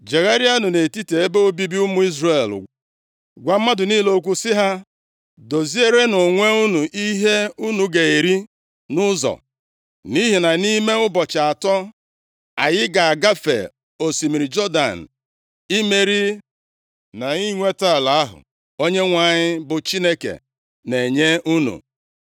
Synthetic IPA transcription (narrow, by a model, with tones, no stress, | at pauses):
d͡ʒe˨ɣa˦ɾi˦a˦nʊ˨ne˨ti˦te˨e˦be˦o˦bi˦bi˦ʊ˦mʊ˦i˦zre˨l̰ | ɡʷa˨m̩˦ma˦dʊ˨niː˦lo˦k̬ʷu˦sɪ˦ɦa˦ | do˨zi˦e˦ɾe˦nʊ˨ŋʷe˦u˦nu˨ʔi˦ɦe˦u˦nu˨ɡe˨e˨ɾi˦ | nʊ˦zɔ̰˨ | ni˦ɦi˨na˨ni˦me˦ʊ˦bɔ˨t͡ʃa˨tɔ˦ | a˨jɪ˦ɡa˨a˨ɡa˦fḛ˨ | o˨si˨mi˨ɾi˨d͡ʒɔ˦da˨n̩˨ | i˦me˨ɾi˦ | na˨i˦ŋʷe˦ta˦˨la˨a˦ɦʊ̰˨ | o˦ɲe˦ŋʷa˨ɲɪ˦bʊ˨t͡ʃi˦ne˦kḛ˨ | ne˨ɲe˦ʔu˦nṵ˨